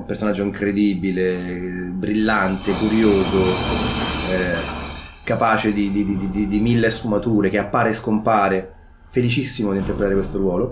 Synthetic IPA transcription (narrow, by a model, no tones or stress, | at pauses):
personad͡ʒːoiŋkɾed̪iːbile | bɾilːant̪ekuɾjoːzo | ɛ | kapaːt͡ʃed̪id̪id̪id̪id̪id̪imilːesfumat̪uːɾek̟eapːaːɾeskompaːɾe | felit͡ʃisːimod̪int̪eɾpɾet̪aɾekwest̪oɾwɔːlo